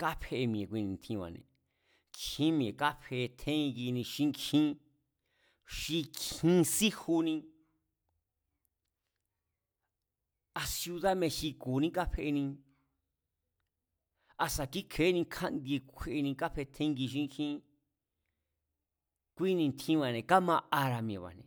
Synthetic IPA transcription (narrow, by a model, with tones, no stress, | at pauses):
ka˦pʰe˧e˧mĩ˨ẽ˨kʷi˧nĩ˧n˨t̪ʰĩ˧wa̰˨˧nḛ̃˨ | kʰĩ˦mĩ˧ẽ˨ka˦ɸʰe˧t̪ʰẽ˦˧ŋɡi˧nĩ˧ʃĩ˦ŋkʰĩ˦ | ʃi˧kʰĩ˦si˦hu˧nĩ˧ | a˧sju˧ða˦mẽ˧ʃi˧kuː˨nĩ˦ka˦ɸe˧ʔe˧nĩ˧ | a˧sa˧ki˦kʰe˨˦nĩ˧kʰã˦nd̪i˧kʷʰe˧ʔe˧nĩ˧ka˦ɸe˧t̪ʰẽ˦ŋɡi˧ʃ̬ĩ˦˧ŋ˧kʰĩ˦ | kʷi˦nĩ˧t̪ʰĩ˦βa˨nẽ˨ka˦mã˧a˧ɾa˧mĩ˨˧ẽ˨βa̰˨nḛ̃˨